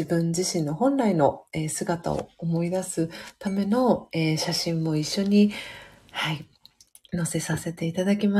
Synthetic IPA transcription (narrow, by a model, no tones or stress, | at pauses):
ibɯ̟̃ɲ̟d͡ʑiɕĩnːo̞hõ̞nɾaino̞eːsɨɡat̪a̰o̰omo̞id̪asɨt̪ame̞no̞eːɕaɕĩmːo̞iɕːo̞ɲ̟i | hai | no̞se̞sase̞t̪e̞it̪ad̪akʲima